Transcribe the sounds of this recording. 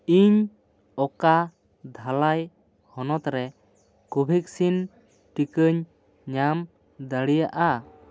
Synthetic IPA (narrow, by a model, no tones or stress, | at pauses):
iɲ | ɔka | d̪ʱalaj | hɔnɔt̪ɾɛ | kubʱik̚sin | ʈikəɲ | ɲam | d̪əɽijaʔa